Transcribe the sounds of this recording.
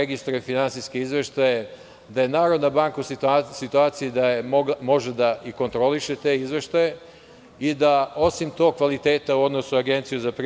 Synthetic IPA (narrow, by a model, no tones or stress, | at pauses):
eɡist̪ɾujefinansiskeizʋeʃt̪aje | d̪aje̞naːɾo̞d̪nabaŋkausit̪uaːt̪sijid̪ajeomo̞ʒed̪aiko̞nt̪ɾo̞liʃe̞t̪e̞ːizʋe̞ʃt̪aje | id̪ao̞simt̪o̞ːɡ̚kʋalit̪e̞ːt̪auo̞d̪no̞suaɡe̞nt̪sijuzapɾ